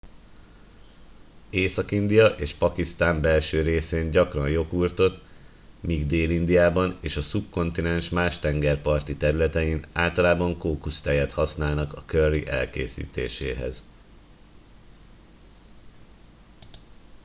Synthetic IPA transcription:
eːsɒkind̪ijɒʔeːʃpɒkist̪aːmbɛlʃøːɾeːseːɲɟɒkrɒnjo̞kuːrt̪o̞t̪ | miɡd̪eːlind̪ijaːbɒneːʃɒsup̚ko̞nt̪inɛnʃmaːʃt̪ɛŋɡɛrpɒrt̪it̪ɛɾylɛt̪ɛjinaːlt̪ɒlaːbɒŋkoːkust̪ɛjɛt̪hɒsnaːlnɒkɒkøriʔɛ̰lkḛːsḭːt̪ḛːʃḛːɦɛ̰z

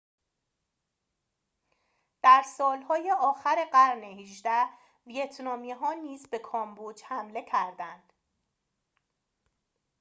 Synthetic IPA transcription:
d̪̥æɾsɒːlhɒːje̞ʔɒːxæɾe̞ɢæɾnehiʒd̪æ | vijet̪ʰnɒːmiɦɒːniːzbe̞kʰɒːmbud͡ʒhæmle̞cʰæɾd̪ænd̪̥

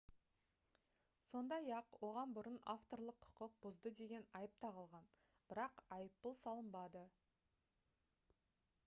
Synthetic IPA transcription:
so̞nd̪ɑjɑqwo̞ʁɑnbʊɾənaft̪o̞rlˠəqʰːʊ̥qəq̚b̥ʊzd̪əd̪e̞ɡʲe̞nɑjəp̚t̪ʰɑʁəlˠʁɑn | b̥ɪɾɑqɑjəpːəlˠsɑlˠəmbɑd̪ə

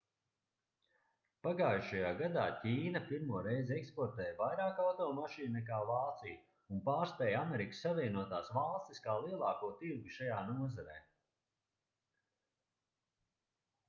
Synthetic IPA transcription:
paɡaːjʃajaːɡad̪a̰ːcʲiːnapiɾmuɔɾejzɛkspɔɾt̪ɛːjvajɾaːkawt̪ɔlmaʃiːnnɛk̬aːvaːt̪sij | unpaːɾst̪ɛːjamɛɾikə̥sːavʲiɛnuɔt̪aːsvalˠst̪iskaːlˠiɛlˠɑːkuɔt̪iɾɡuʃajaːnuɔzaɾɛ̰ː

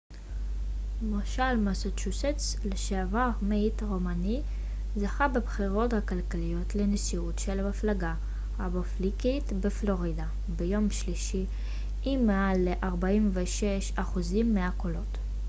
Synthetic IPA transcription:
maʃalmasotʃuset͡s | leʃeavaʁmeitʁomani | zaχabebχiʁo̞thakalkalijo̞tleneʃiutʃelamaflaɡa | aboflikitbeflo̞ʁida | bejo̞mʃliʃiː | mealːeʔaʁbaimveʃeʃaχuzimːeakolo̞t

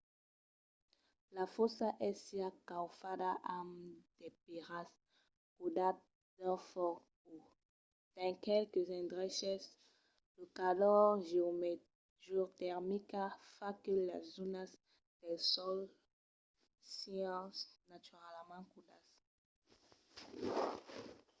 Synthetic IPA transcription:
lafɔsaʔɛsiakawfad̪aʔamd̪̥epiʁas | kudat̪̚ | d̪̥ãfɔku | d̪̥ɛ̃ŋkɛlkezɛ̃nd̪ʁɛʃɛs | dukadɔʁʒme | ʒuʁt̪ɛʁmikafakəla̰zunas | d̪̥ɛlsɔl | siãnat̪yʁalmãkud̪as

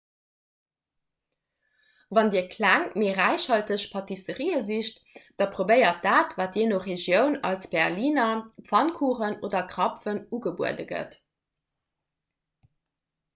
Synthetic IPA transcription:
vɑndiːɐkʰlæŋmeːʁæɪʃhɑltəɕpʰɑtisəʁiːəziʃt | d̥ɑpʁobəɪɐt̚d̥aːtvaːtjenoχeʒjəʊnɑ̰lsb̥ɛʁliːnɐpfɑnkʰuːʁənodɐkʁɑpfənuɡəbṵədəɡə̰t

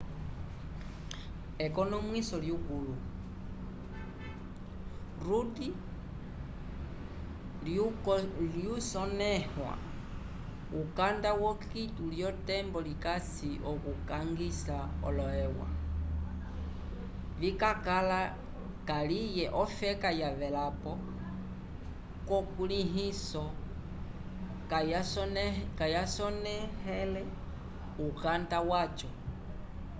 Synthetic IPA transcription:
ɛkɔnɔmwisɔljukulu | ruti | l | ljusɔnɛhwa̰ | ukandawɔkituljɔtɛmbɔlikasiʔɔkukaŋɡisaɔ̰lɔɛwa̰ | vikakala | kalijɛʔɔfɛkajavɛlapɔ | kɔkuliɦisɔ | k | kajasɔnɛhɛlɛ | ukandawat͡ʃɔ

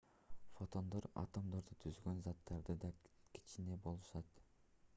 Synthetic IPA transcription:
fo̞t̪o̞nd̪o̞ɾɑ̰t̪omd̪o̞ɾd̪ut̪ʰyzɡønzɑt̪ːɑɾd̪ɯd̪ɑ | kʲi̥t͡ʃine̞bo̞lˠɯʃɑt̪

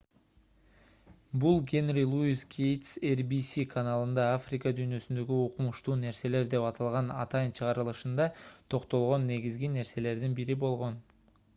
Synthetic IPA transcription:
bulˠɡʲe̞nʲrʲilˠuiskʲʰejt̪serbisikʰanalˠɯnd̪ɑafrʲɪkɑd̪yːnø̞synd̪ø̞ɡyoqumuʃt̪uːne̞ɾse̞le̞ɾd̪e̞pɑt̪ʰɑlˠʁɑnɑ̰t̪ɑjint͡ʃʰɯʁɑɾɯlˠɯʃɯnd̪ɑt̪ʰo̞qt̪o̞lˠʁo̞nːe̞ɡizɡine̞ɾse̞le̞ɾd̪inbiɾibo̞lˠʁo̞n

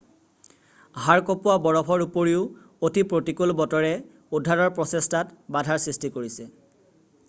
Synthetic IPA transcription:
ɦaɹkopʊabɔɹɔbʰʱɔɹupoɹiʊ | otʰipɹotikulbɔtɔɹɛ | udʱːaɹɔɹpɹɔsestatbadʱaɹsɹistikoɹisɛ

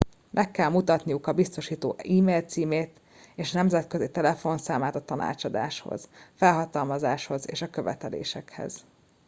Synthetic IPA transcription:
mʔɛkːɛlmut̪ɒt̪nijukɒbist̪o̞ʃiːt̪o̰ːiːmeːlt̪siːmeːt̪ | eːʃnɛmzɛt̪køzit̪ɛlɛfo̞nsaːmaːt̪ɒt̪ɒnʔa̰ːt͡ʃɒd̪a̰ːʃho̰z̥fɛlɦɒt̪ɒlmɒzaːʃho̞zḛːʃɒkø̞vɛ̰t̪ɛlḛːʃɛkhɛ̰z̥

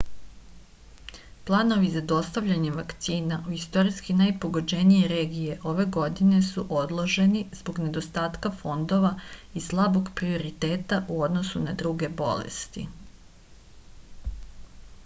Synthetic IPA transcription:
plˠaːno̞ʋizad̪o̞st̪aʋʎaɲeʋakt̪siːnaʔuist̪o̞ɾiskinajpo̞ɡo̞d͡ʒenijeɾeːɡijeʔo̞ʋe̞ɡo̞d̪ine̞suʔo̞d̪lˠo̞ʒe̞nizbo̞ɡne̞d̪o̞st̪aːt̪kafo̞nd̪o̞ʋaislˠabo̞ɡpɾio̞ɾit̪eːt̪aʔuod̪no̞sunad̪ɾuɡe̞bo̞̰lḛst̪ḭ

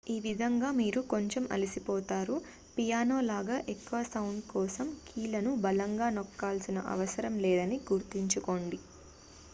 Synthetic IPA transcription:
iːʋid̪ʱɐŋɡaːmiːɾuko̞ɲt͡ʃemʔɐ̰lisipɔːt̪aːɾu | pijaːno̞ːlaːɡaːʔekːuʋɐsɐwuɳɖkɔːsɐmkʰiːlɐnubɐlɐŋɡaːnɔkːaːlsinɐʔɐ̰ʋɐsɐɾɐmlɛːd̪ɐniɡuɾt̪iɲt͡ʃuko̞ːɳɖi

